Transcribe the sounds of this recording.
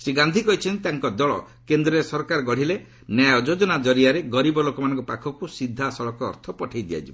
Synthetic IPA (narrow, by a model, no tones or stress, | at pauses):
seɡand̪ʱikɔɦit͡ʃʰɔnt̪aŋkɔd̪ɔɭɔ̰ | kend̪ɾɔesɔɾkaɾɔɡɔɽ̤ile | najɔd͡ʒod͡ʒɔnad͡ʒɔɾiaɾeɡɔɾibɔlokɔmanɔ̃ŋkɔpakʰɔkusid̪ʱːasɔɭɔkɔ̰ːɾt̪ʰɔpɔʈʰajd̪ija̰t͡ʃʰibɔ